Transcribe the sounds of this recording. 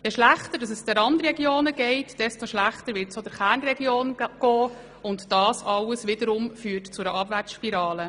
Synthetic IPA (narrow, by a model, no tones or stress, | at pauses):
jɛʃlæχtədɑs̬əsd̥̪ɛɾɑndɾiɾɛɡjoːnəɡɛɪtd̥ɛstoʃlæχtəɾʋɪtsod̥əɾχæːɾnrɛɡjoːnɡ̥ɔː | ʊntd̥ɑːsɑləsʋɪdəɾʊmfyːtt͡sʊdəʔɑbvæɾt͡sʃpiɾɑːlə